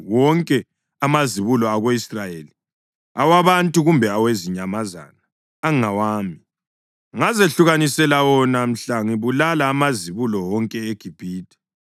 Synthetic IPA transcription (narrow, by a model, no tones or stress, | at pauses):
wɔŋkʼɛ | amaziβulɔaɣoisrajeːli | awaβantʼuɣumbʱɛaweziɲamaza̰naː | ŋŋawaːmi | ŋazeɬuɣanisɛlawɔnam̩ɬaŋiβulalaːmaziβulɔwɔŋkʼɛeɡ̥ʱib̥ʱiːtʰʼɛ̥